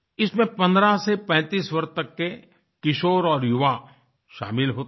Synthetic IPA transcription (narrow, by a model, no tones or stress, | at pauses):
ɪsmẽpɐ̃nd̪ɾasepɛ̃ːt̪iːswɐɾt̪əkːe | kɪʃoːɾɔːɾjʊʋa | ʃa̰ːmɪlɦoːt̪